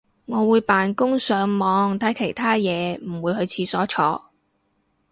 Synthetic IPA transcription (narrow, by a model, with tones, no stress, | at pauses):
ŋɔː˨˧wuː˨˧jpaː˨nkʊ˥ŋsœː˨˧ŋmɔː˨˧ŋt̪ʰɐ˨˥jkʰe˨˩jt̪ʰaː˥jɛː˨˧m̩˨˩wuː˨˧jhɵ˧ɥt͡sʰiː˧sɔː˨˥t͡ʃʰɔː˧